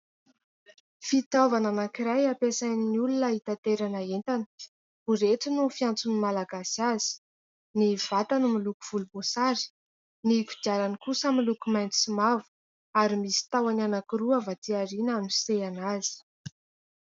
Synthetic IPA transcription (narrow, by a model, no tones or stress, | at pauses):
fit̪avananakiɾajapesajniniulunəɦit̪at̪eɾanaent̪anə̥ | ɦuɾeʈ͡ʂinufiant͡sunimalaɡasazi̥ | niv̥at̪animilukuv̥ulumosaɾi̥ | niku̥d̪iaɾanikusamilukumajnt̪isimavu̥ | aɾimisi̥t̪awananakiɾuavat̪iaɾinamiseanazi̥